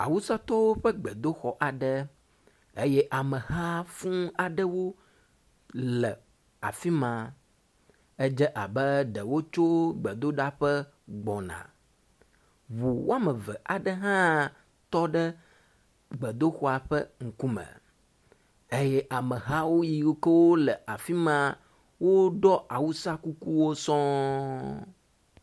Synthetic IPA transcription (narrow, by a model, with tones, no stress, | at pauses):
a̰˨wu˦sa˦t̪ɔ˦wo˦ɸə˦ɡ͡bɛ˨d̪o˦xɔ˨ʔa˨ɖə˦ | e˦jɛ˦ʔa˨mə̃˨ɦa˦fũ˦a˨ɖə˦wo˦ | lɛ˨ | a̰˨fi˦mã˨ | ə˦d͡ʒɛ˦ʔa˨bɛ˦ɖɛ˨wo˦t͡ʃo˦ɡ͡bə˨d̪o˦ɖa˦ɸɛ˦ | ɡ͡bɔ˨nã̰˨ | βu˨wo˦a˦mə̃˨vɛ˨ʔa˨ɖɛ˦ɦã˦ | t̪ɔ˦ɖɛ˦ | ɡ͡bɛ˨d̪o˦xo˦a˨ɸə̰˦ŋ̩˨ku˦mə̰̃˨ | e˦jɛ˦ʔa˨mə˨ɦa˦wo˦ji˨wkə˦wo˦lə˨a˨fi˦mã˦ | wo˦ɖɔ˦ʔa˨wu˦sa˦ku˦ku˦wo˦sɔ̃˦